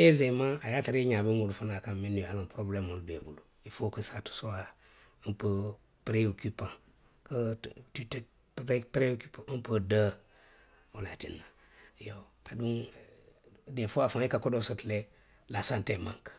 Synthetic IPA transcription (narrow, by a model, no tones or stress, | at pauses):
ezemaajatiɾiɲabiŋulfunakamminialopɾoblemulbḛbulu | ifokəsatu̥sowa | mpə | pɾeokipã | kətt | ppɾeokipapədə | olatḭnːa | jo | aduŋ | defoafaikakodosutle | lasantemã̰ŋk